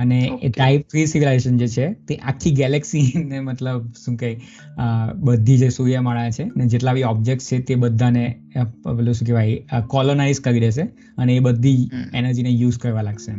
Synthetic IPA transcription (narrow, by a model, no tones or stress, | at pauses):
əneʈaip̚fɾisiʋilaeʃənd͡ʒet͡ʃʰet̪eʔakʰːiɡɛlɛksinemət̪ləb̚ʃũkai | əbəd̪ʱːid͡ʒesujaməɭajat͡ʃʰened͡ʒeʈlaʋiɔb̚d͡ʒek̚st͡ʃʰet̪ebəd̪ʱːane | loʃũkeʋaɦikɔlonaiskəɾiɾeʃ̬e | əneːbəd̪ʱienəɾd͡ʒinejuzkəɾʋãlaɡʃe